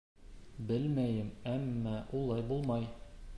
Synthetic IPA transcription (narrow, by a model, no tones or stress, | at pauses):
bɘlmæjɘmæmːæʔulˠɑjbulˠmɑj